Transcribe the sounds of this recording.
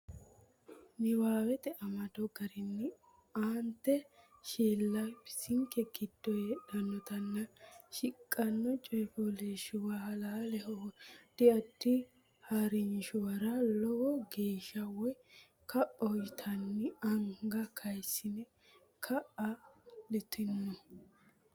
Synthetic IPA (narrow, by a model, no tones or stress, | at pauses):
nɪwaːwɛt̪ɛʔɐmɐd̪ɔɡɐɾɪnːɪ | ʔaːnt̪ːɛʃiːlːɐjpɪ̥sɪŋkɛɡɪd̪̥ːɔjɛᶑɐnːɔt̪ɐnːɐʃɪkʼːɐnːɔt͡ʃʼɔjfɔleːʃʊwahɐlaːlɛɦɔd̪̥ɪɐd̪ːɪ | hɐɾɪnʃʊwɐɾɐlɔwɔɡe̞ːʃɐwɔj | kɐʔːɔjɪt̪ʰɐnːɪɐŋɡɐkʰɐjsːɪnɛ | kʰɐʔɐlɪt̪ʰɪnːɔ